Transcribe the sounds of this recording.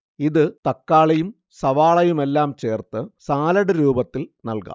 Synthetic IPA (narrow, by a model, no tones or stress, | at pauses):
iðɨt̪ɐkːaːɭɐjum | sɐʋaːɭɐjume̞lːaːmt͡ɕe̞ːrt̪ɨsaːlɐɽɨɾuːbɐt̪ːilnɐlkɐ̰